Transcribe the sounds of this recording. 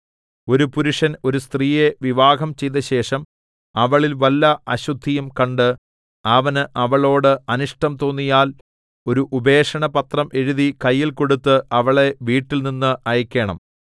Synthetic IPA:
o̞ɾupuɾuʂɐno̞ɾust̪riːje̞ʋiʋaːɡɐmt͡ɕe̞jðɐɕe̞ːʂɐm | ɐʋɐɭilʋɐlːɐɐɕud̪ʱːijɐmkɐɳɖɨ | ɐʋɐnɨʔɐʋɐɭo̞ːɽɨɐnuʂʈɐmt̪o̞ːnːijaːl | o̞ɾuʔube̞ːʂɐɳɐpɐt̪rɐmʔe̞ɻuðikɐjːilko̞ɽut̪ːɨʔɐʋɐɭe̞ʋiːʈːilninːɨʔɐjɐkʲːe̞ːɳɐ̰m

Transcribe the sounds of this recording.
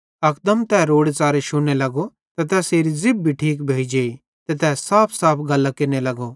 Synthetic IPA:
ɐkd̪əmt̪ɛːɾoːɽet͡saːɾeʃʊnelɐɡo | t̪ɐt̪ɛːseːɾid͡zɪbːʱiʈʰiːk̬bʱeːid͡ʒeːi | t̪ɛt̪ɛːsaːpʰsaːpʰɡɐlːakeːnelɐɡo

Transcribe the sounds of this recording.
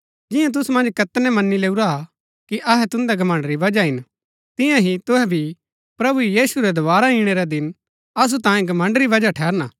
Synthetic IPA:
d͡ʒɪ̃jãt̪̬ʊsumɐ̃nd͡ʒkɐt̪nɛmɐnːileːuɾaɦa | kiʔɐɦɛt̪ʊ̃nd̪ɛɡʱɐmə̃ɳɖɾiʋɐd͡ʒaɦɪn | t̪ɪ̃jãɦit̪ʊɦɛbʱi | pɾɐbujiːsuɾɛd̪ɐʋaːɾaĩɽ̃eɾɛd̪ɪn | ɐs̬ut̪ãːjẽɡʱɐmə̃ɳɖɾiʋɐd͡ʒaʈʰɛːɾna

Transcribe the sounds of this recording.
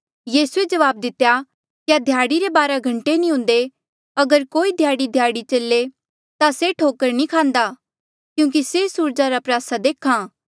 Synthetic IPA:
jiːsued͡ʒɐʋaːb̚d̪ɪt̪ːja | kjad̪ʱjaːɽiɾebaːɾaɡʱɐ̃ɳʈenĩɦʊ̃ːnd̪e | ɐɡəɾkoːid̪ʱjaːɽid̪ʱjaːɽit͡ʃɐlːe | t̪aseʈʰoːkəɾnĩkʰãːnd̪aː | kjũːk̬isesuːɾd͡ʒaɾapɾjaːsad̪eːkʰãː

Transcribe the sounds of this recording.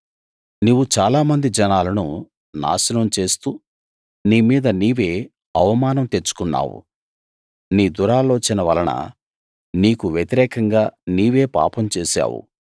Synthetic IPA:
nuːʋːut͡ʃaːlaːmɐnd̪id͡ʒɐnaːlɐnu | na̰ːʃɐnɐmt͡ʃe̞ːst̪uː | niːmiːd̪ɐniːʋe̞ː | ɐʋɐmaːnɐmt̪et͡ʃːu̥kunːa̰ːwṵ | niːd̪uɾaːlo̞ːt͡ʃinɐʋɐ̰lɐnɐ̰ | niːkuʋjet̪iɾɛːkɐŋɡaːniːʋe̞ːpa̰ːpɐmt͡ʃeːʃa̰ːwṵ

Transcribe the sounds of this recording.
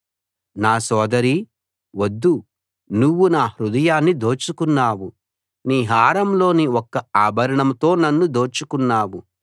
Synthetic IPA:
naːsɔːd̪ɐɾi | wɐd̪ːu | nuwːunaːhɾud̪ɐjaːnːid̪oːt͡ʃukunːaːwu | niːɦaːɾɐmlo̞ːniɔkːɐaːbʱɐɾɐɳɐmt̪o̞ːnɐnːud̪o̞ːt͡ʃukunːaːwu

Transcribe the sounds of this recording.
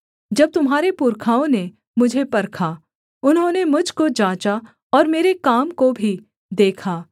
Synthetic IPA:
d͡ʒɐb̚t̪ʊmɦaːɾepuɾkʰaːõne | mʊd͡ʒʱepɐɾkʰaː | ʊnɦõːnemʊd͡ʒʱkod͡ʒãːt͡ʃa | ɔːɾmeːɾekaːmkobʱi | d̪eːkʰaː

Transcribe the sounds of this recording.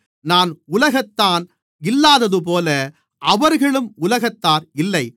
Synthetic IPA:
naːnʊlɐɣɐt̪ːaːn | ɪlːaːðɐðɯp̬oːlɐ | ʔɐʋɐɾɣɐɭɯmʊlɐɣɐt̪ːaːɾɪlːɐɪ

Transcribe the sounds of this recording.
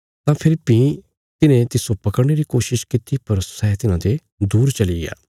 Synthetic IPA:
t̪ãpʰɪlpːĩ | t̪ɪnẽt̪ɪsopɐkəɾneɾikoːʃɪʃkɪt̪ipɐɾsɛɦt̪ɪnãːd̪e | d̪uːɾt͡ʃɐlia̰ː

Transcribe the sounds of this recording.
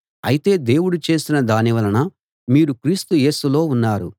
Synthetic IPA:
ɐ̰jit̪e̞ːd̪e̞ːwuɽut͡ʃe̞ːsinɐd̪aːniʋɐlɐnɐ | miːɾukɾiːst̪uje̞ːsulo̞ːunːaːɾṵ

